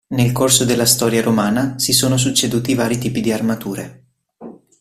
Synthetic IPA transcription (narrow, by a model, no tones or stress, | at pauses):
nelkorsod̪elːast̪ɔːɾjaɾomaːnasisoːnos̬ut͡ʃːed̪uːt̪ivaːɾit̪iːpid̪iarmat̪uːɾe